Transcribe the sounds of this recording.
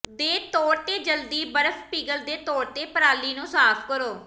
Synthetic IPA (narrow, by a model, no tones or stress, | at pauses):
d̪eːt̪oːɾt̪eːd͡ʒəld̪iːbəɾəfʰpiːɡəld̪eːt̪oːɽt̪eːpəɾaːliːnũːsaːpʰkəɾoː